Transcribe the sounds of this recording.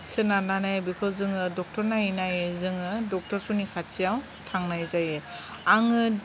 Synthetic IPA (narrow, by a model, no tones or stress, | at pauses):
sɯnananabikʰɯwzɯŋɯdɔk̚tɔɾnainajɯzɯŋɯdɔk̚tɔɾpʰɔnikʰat͡ʃijaw | tʰaŋnajzajɯ | aŋɯ